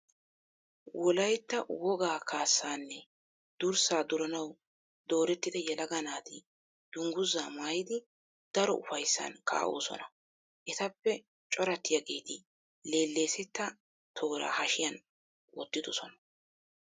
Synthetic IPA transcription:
wʔɔlɐjt̪ːɐwɔɡaːkʰaːsːaːnːɛ | d̪̥ʊɾsaːd̪ʊɾɐnɐw | d̪o̞ːɾɛt̪ːɪd̪ɛjɛlɐɡɐnaːt̪ɪ | d̪̥ʊŋɡʊzːaːmaːjɪd̪ɪ | d̪̥ɐɾɔ̰ʔʊfɐjsːɐ̰nkʰa̰ːʔo̰ːsɔ̰nɐ | ʔɛt̪ɐpːɛ | t͡ʃʼɔɾɐt̪ːɪjaɡeːt̪ɪ | le̞ːlːe̞ːsɛt̪ːɐ | t̪ʰoːɾa̰ːhɐʃɪjɐn | wɔt̪ːɪd̪ɔsɔnɐ̥

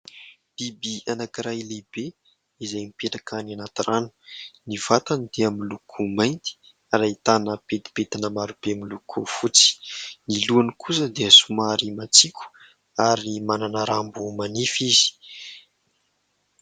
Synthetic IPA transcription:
l̥ibianakiɾajlebe | izajmipeʈ͡ʂakʰananat̪iranu̥nivat̪anid̪eamilukʰumajnt̪i̥ | aɾait̪anəpet̪i̥pet̪inəmaɾubeamilukʰufut͡si̥niluanikʰus̬əd̪eəsumaɾimat͡sikʰʲu̥ | aɾimananəɾambumanifiz̥i̥

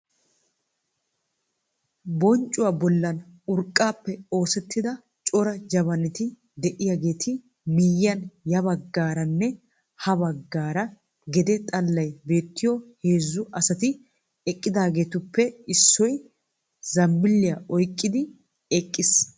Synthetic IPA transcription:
bɔnt͡ʃʼːʊwaːbɔlːɐnʊɾkʼːaːpːɛo̞ːsɛt̪ːɪd̪ɐ | t͡ʃʼɔɾɐd͡ʒɐβɐnɪt̪ɪ | d̪ɛʔɪjaːɡe̞ːt̪ʰɪ | mɪjːɐnjɐbɐɡːaːɾɐnːɛ | hɐbɐɡːaːɾɐ | ɡɛd̪ɛt̪ʼɐlːɐjbe̞ːt̪ːɪjɔhe̞ːzːʊʔɐsɐt̪ɪ | ɛkʼːɪd̪aːɡe̞ːt̪ʊpːɛɪsːɔj | zɐmːɪlːɪjɐʔɔjkʼːɪd̪ɪ | ɛkʼːɪs

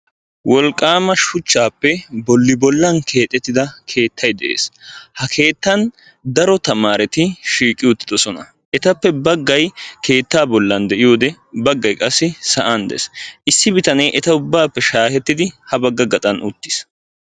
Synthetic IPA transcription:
wɔlkʼːaːmɐʃʊt͡ʃːaːpːɛbɔlːɪbɔlːɐnkʰe̞ːt̪ʼːɛt̪ːɪd̪ɐkʰe̞ːt̪ːɐjd̪ɛʔḛːshɐkʰe̞ːt̪ːɐn | d̪ɐɾɔt̪ɐmaːɾɛt̪ɪʃiːkʼːɪʊt̪ːɪd̪ɔsɔnɐ̰ | ʔɛt̪ɐpːɛbɐɡːɐjkʰe̞ːt̪ːaːbɔlːɐnd̪ɛʔɪjoːd̪ɛ | bɐɡːɐjkʼɐsːɪsɐʔand̪ɛ̰sʔɪsːɪbɪt̪ɐnɛjʔɛt̪ɐʊbːaːpːɛʃaːhɛt̪ːɪd̪ɪhɐbɐɡːɐɡɐt̪ʼɐnʔʊ̰t̪ːɪs

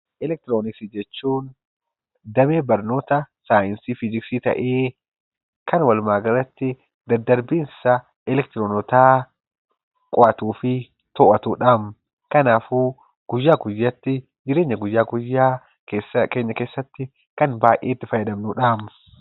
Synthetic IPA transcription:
ʔɛlɛk̚t̪ɪɾoːnɪksid͡ʒɛt͡ʃːuːn | d̪ɐmeːbɐɾno̞ːt̪ɐsaːɪnsiːfid͡ʒɪksit̪ɐ̰ʔeː | kɐnwɐlmaːɡɐrːɐt̪ːɪ | d̪ɐɾd̪ɐɾbiːnsɐ | ɛlɛk̚t̪ɪɾoːnɔt̪aː | kʼɔʔɐt̪uːfɪ | t̪ɔːʔɐt̪uːᶑaːm | kɐnaːfuː | ɡ̥ʊjːaːɡʊjːɐt̪ːɪ | d͡ʒɪɾe̞ːɲːɐɡʊjːaːɡʊjːaː | keːsɐke̞ːɲːɐke̞ːsːɐt̪ːɪ | kɐnbaːjʔeːt̪ːɪfɐjːɐd̪ɐmnuᶑaːm

